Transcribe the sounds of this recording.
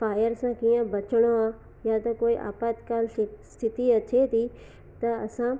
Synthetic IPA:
faːjəɾsãkiːə̃bɐt͡ʃəɽ̃oã | jat̪ɐkoːiʔa̰ːpaːt̪kaːlst̪ʰɪt̪iɐt͡ɕʰet̪ʰi | t̪ɐɐsã

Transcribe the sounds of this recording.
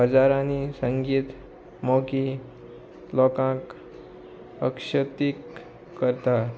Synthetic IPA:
əd͡zaɾanisəŋɡiːt̪ | moki | lɔkãk | əkʂət̪ikː | əɾt̪a

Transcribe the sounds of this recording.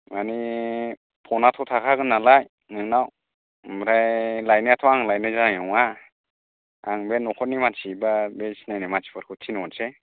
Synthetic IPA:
mani | pʰɔnatʰɔtʰakʰaɡɯnːalaj | nɯŋnaw | mɾajlajniatʰɔaŋlajnɯzanajɔŋa | aŋbenːɔkʰɔnimasʰibabesinajnɯmasi̥pʰɯɾkʰɯtʰinɔnse

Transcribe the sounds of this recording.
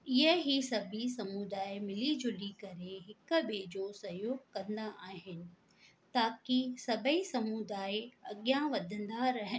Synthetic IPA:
ɪɦəɦisɐbʱisɐmud̪aːemɪlid͡ʑʊlikɐɾeɦɪkə̆ɓed͡ʑoːsɐɦjoːɡkɐ̃nd̪aʔaːɦɪnɪ̆ | t̪aːkisɐbʱəisɐmud̪aːeɐɠijãʋɐd̪ʱə̃nd̪aɾɐɦə

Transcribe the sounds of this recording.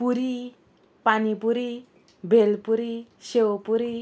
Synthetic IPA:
puɾi | panipuɾi | bʱelpuɾisewpuɾi

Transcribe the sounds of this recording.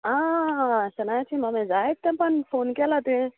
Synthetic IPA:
a | sanat͡ʃimamezajk̚t̪ampanifonikʲalad̪e

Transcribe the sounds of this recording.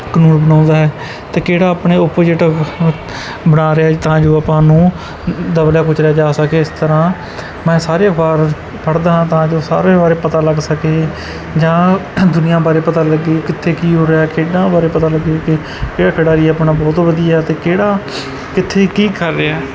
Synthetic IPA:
kənuːnbənãːnd̪aːɦɛː | t̪eːkeːɽaːəpɳeːʊpd͡ʒeːʈː | bənaːɾeaːt̪ãːd͡ʒoːapãːnũː | d̪əbljaːkʊt͡ʃʰɾaːd͡ʒaːsəkeːɪst̪əɾãː | mɛ̃ːsaːɾeːbaːɾ | pʰəɽd̪aːɦãːt̪ãːd͡ʒoːsa̰ːɾeːbaːɾeːpət̪aːləɡsəkeː | d͡ʒãːd̪ʊnɪjãːbaːɾeːpət̪aːləɡeːkɪt̪ʰːeːkiːɦoːɾeaːkʰeːɖãːbaːɾeːpət̪aːləɡeːkɪ | eəkʰːɽaːɾiːəpɳaːbɔːt̪ʋəd̪ijaːɦɛt̪eːkeːɽaː | kɪt̪ʰːeːkiːkəɾːeaː

